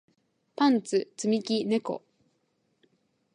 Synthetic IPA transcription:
pãnt͡sɨt͡sɨmʲikʲine̞ko̞̰

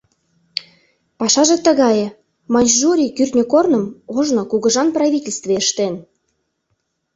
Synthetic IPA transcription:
pɑʃɑʒĕt̪ə̆ɣɑjĕ | mɑnʲʒuɾʲikyrt̪ʲnʲøkornə̆moʒnokuɣə̆ʒɑnprɑvʲitʲelʲst̪veeʃt̪en

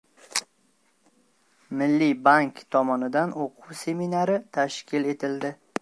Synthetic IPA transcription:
mɪlːibaŋkt̪ʰɒmɒnɪd̪anoqʰuwse̞minaɾɪt̪ʰaʃkʲʰɪle̞t̪ʰɪld̪ɪ

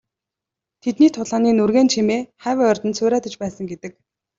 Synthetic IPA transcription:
t̪ʰet̪niːt̪ʰʊɮaːniːnurɣeːnt͡ɕʰemeːχæːwœrʲt̪ə̆nt̪sʰʊːɾæːt̪ə̆t͡ɕpæːsə̆ŋɡet̪ɘ̆k̚

